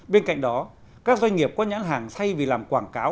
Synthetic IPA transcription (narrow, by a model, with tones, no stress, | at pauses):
ɓe˧nka̰˧˨jŋ̟ɗɔ˨˦ | kaː˦˥k̚zwa˧ɲŋ̟ŋi˨˩əp̚kɔ˨˦ɲa̰ː˧˥nɦaː˧˨˩ŋsʰa˧jvi˨˩laː˨˩mkwaː˧˩nkaː˨˦w